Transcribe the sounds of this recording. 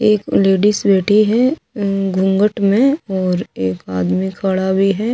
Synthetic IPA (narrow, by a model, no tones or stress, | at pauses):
eːkleːɖisbeːʈʰiɦɛ | ɡʱʊ̃ŋɡəʈmẽɔːɾeːkaːd̪mikʰəɭabʱiɦɛː